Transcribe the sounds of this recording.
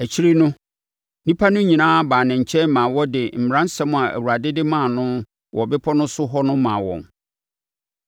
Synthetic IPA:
æ˨t͡ɕʰi˦ɾi˦nʊ̃˦ | nĩ˦pʰa˦nʊ̃˦ɲĩ˨nãː˦baː˨nɪ̃˨ɲ̩˨t͡ɕʰɛ˦n˦mã˨wɔ˦dɪ˨m̩˨m˨ɾã˦n̩˦sɛ˦mʊ̃˨a˨ʔæ̰˨wu˨ɾa˨dɪ˦dɪ˦mãː˦˨nʊ̃˦ | wʔɔ˨bɪ˦pʰɔ˦nʊ̃˦sʊ˦ɦɔ˦nʊ̃˦mãː˨wɔ̰̃˨n

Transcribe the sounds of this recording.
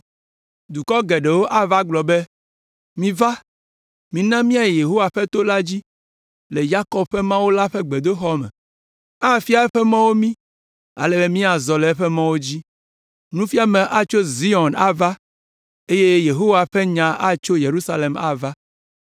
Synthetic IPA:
d̪u˨kɔ˦ɡɛ˨ɖe˨wo˦ʔa˦va˦ɡ͡blɔ˨bɛ˦ | mĩ˨va˦ | mĩ˨nã˦mĩ˦a˨jje˨ɦo˦wa˨ɸɛ˦t̪o˦la˦d͡ʑi˦ | le˨ja˦kɔ˦b̚ɸɛ˦mã˦wo˦la˦ɸɛ˦ɡ͡be˨d̪o˦xɔ˦mɛ̰̃˨ | a˦˨fi˦a˨ɛ˦ɸɛ˦mã˦wo˦mĩ˦ | a̰˨lɛ˨be˦mĩ˦a˨zɔ˨lɛ˨ɛ˦ɸɛ˦mã˦wo˦d͡ʑi˦ | nũ˦fi˦a˦mẽ˨ʔa˨t͡ʃo˦zi˦ɔ˨na˨va˦ | e˦je˦je˨ɦo˦wa˨ɸe˦ɲã˨a˦t͡ʃo˦je˨ɾu˦sa˦le˨ma̰˨va˦

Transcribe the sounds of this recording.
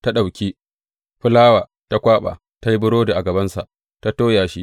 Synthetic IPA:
ta˦ɗa˨wkʲiː˦ | ɸʊ˦laː˦waː˨ | ta˦kʷaː˦ɓa̰ː˨ | ta˦ji˦bʊ˦ɽoː˦da˨ʔa˨ɡɐ˨bɐ˦nsa˨ʔ | ta˦toː˦jaː˨ʃi˦

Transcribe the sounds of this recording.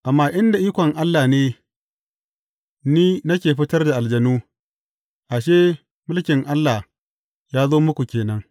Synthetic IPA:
ʔa˨mːaː˦ʔɪ˦nda˨ʔiː˦kʷɔ˨ŋʔa˦lːaː˨neː˦ | niː˦nɐ˦k̬ʲeː˨ɸɪ˦tɐ˦rda˨ʔa˨ld͡ʒɐ˨nuː˦ | ʔa˨ʃeː˦ | mʊ˦lkʲɪ˨ŋʔa˦lːa˨ | jaː˦zoː˦mʊ˦kʷu˨kʲeː˨nɐ˦ŋ

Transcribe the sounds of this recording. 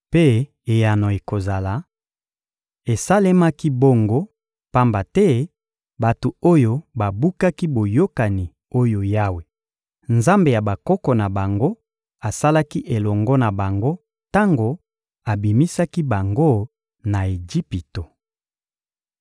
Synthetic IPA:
pe˦ | e˨ja˨nɔ˨e˨ko˨za˨la˨˦ | e˨sa˦le˦ma˦ki˦bo˦ŋɡo˦ | pa˦mba˨tɛ˦ | ba˨to˨o˦jo˦ba˨bu˦ka˦ki˦bo˨jo˦ka˨ni˨ | o˦jo˨ja˦we˨ | nza˦mbe˨ja˨ba˨kɔ˦kɔ˨na˨ba˨ŋɡo˦ | a˨sa˦la˦ki˦ʔe˨lɔ˨ŋɡɔ˦na˨ba˨ŋɡo˦ | ta˦ŋɡo˨ | a˨bi˨mi˦sa˦ki˦ba˨ŋɡo˦ | na˨e˨d͡ʒi˦pi˨to˨

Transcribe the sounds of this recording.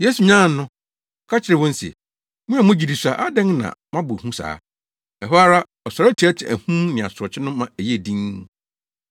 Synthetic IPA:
je˦su˨ɲã˦˨n̩˦nʊ̃˦ | ɔ˨˦kʰa˦t͡ɕʰɪ˦ɾɪ˨wɔ̃˦n̩˦sḛ˨ | mʊ̃˦a˨mʊ̃˦d͡ʑi˨di˨sa˨ʔa˦dɛ̃˦ŋnã̰˨mã˦bʊ˨hũ˦sa̰ː˦ | ɛ˨ɦɔ˦a˦ɾa˦ | ɔ˨sa˨ɾa˦t͡ɕʰi˨˦ɛ˦tʰɪ˨æ̰˨hũ˦nɪ̃˨a̰˨sʊ˨ɾɔ˨t͡ɕʰɪ˦nʊ̃˦mã˨æ˨je˦˨dĩ˦n

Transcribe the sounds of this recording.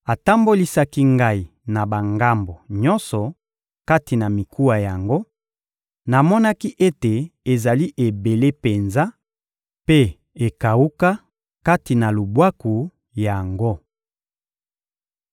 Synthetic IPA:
a˨ta˦mbo˦li˦sa˦ki˦ŋɡa˦i˨na˨ba˨ŋɡa˦mbo˨ɲɔ˦nsɔ˨ | ka˦ti˨na˨mi˨kʰu˦wa˨ja˨ŋɡo˦ | na˨mɔ˦na˦ki˦ʔe˦te˨e˨za˨li˦ʔe˨be˨le˦pe˨nza˦ | pe˦ | e˨ka˨u˦ka˦ | ka˦ti˨na˨lu˨bwa˦ku˨ | ja˨ŋɡo˦

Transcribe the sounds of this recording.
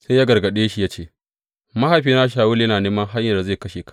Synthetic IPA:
se˦jaː˦ɡɐ˨rɡɐ˨ɗeː˦ʃi˦ja˦t͡ʃeː˦ | mɐ˦ha˨ɸiː˦naː˦ʃaː˨wʊ˦ljɐ˦naː˨neː˦mɐ˦ŋɦa˦ɲjɐ˨rda˨zeː˦˨kɐ˦ʃeː˨kʰḁ˦˨

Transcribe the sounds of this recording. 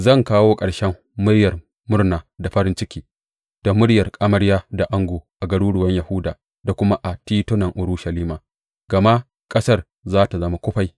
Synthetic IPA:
zɐ˦˨ŋkaː˦woː˦kʼɐ˨ɽʃɛ˦mː | ʊ˦ɽjɐ˨r | mʊ˦rnaː˨da˨ɸɐ˦ɾɪ˦nt͡ʃɪ˦kʲiː˨ | d̥a˨mʊ˦ɽjɐ˨rkʼɐ˦mɐ˦ɽjaː˦da˨ʔa˦ŋɡoː˨ʔa˨ɡɐ˨ɽuː˦ɽʊ˨wɐ˦ɲjɐ˨hʊ˦daː˨ | da˨kʷʊ˦ma˦ʔa˨tiː˦tʊ˦nɐ˨ŋʔʊ˨ɾuː˦ʃɐ˨liː˦maː˨ | ɡ̥ɐ˨ma˦ʔ | kʼɐ˦sɐ˦r | zaː˦ta˨zɐ˦ma˦kʷʊ˦ɸa˨j

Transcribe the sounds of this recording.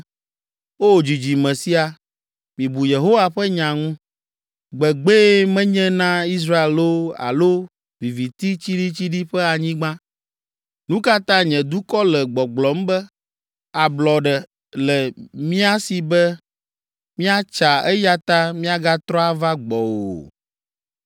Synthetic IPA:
wo˦o˨d͡ʑi˨d͡ʑi˨mɛ̃˨si˦a˨ | mĩ˨bu˨je˨ɦo˦wa˨ɸɛ˦ɲã˨ŋũ˦ | ɡ͡bɛ˨ɡ͡be˦mɛ̃˦ɲɛ̃˦nã˦i˦s̬ɾa˦e˨lo˦a̰˨lo˦ | vi˨vi˨t̪i˦t͡ɕi˦ɖi˦t͡ɕi˦ɖi˦ɸɛ˦a˨ɲĩ˦ɡ͡bã˦ | nũ˦ka˦t̪ã˦ɲɛ̃˨d̪u˦kɔ˦lɛ˨ɡ͡bɔ˨ɡ͡blɔ˨˦m˦bɛ˦ | a˨blɔ˨ɖɛ˨ | lɛ˨mĩ˦a˦si˨bɛ˦ | mĩ˦a˦t͡ʃa˨ɛ˦ja˦t̪a˦mĩ˦a˦ɡa˦t̪ɾɔ˦a˦va˦ɡ͡bɔ˨wo̰˨

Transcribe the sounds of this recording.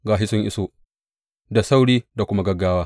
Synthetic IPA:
ɡaː˨ɦɪ˦sʊ˦ŋʔɪ̰˦soː˦ | da˨sa˦wɽiː˦da˨kʷʊ˦ma˦ɡɐ˦ɡːaː˦waː˦

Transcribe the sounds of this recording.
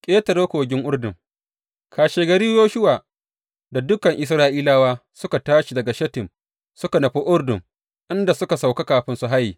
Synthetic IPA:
kʲʼeː˦tɐ˨ɾoː˦kʷoː˨ɡʲɪ˦ŋʔʊ˦rdʊ˨ŋ | kaː˨ʃeː˨ɡɐ˨ɾiː˦joː˦ʃʊ˦waː˨ | da˨dʊ˦kɐ˨ŋʔɪ˨s̬ɾaː˦ʔiː˦laː˦waː˦sʊ˦ka˨taː˦ʃi˨dɐ˨ɡa˨ʃɐ˦tɪ˨m | sʊ˦ka˨nɐ˨ɸi˦ʔʊ˦rdʊ˨ŋ | ʔɪ˦nda˨sʊ˦ka˨sa˨wka˦kaː˨ɸɪ˦nsu˨ɦa˦jiː˨

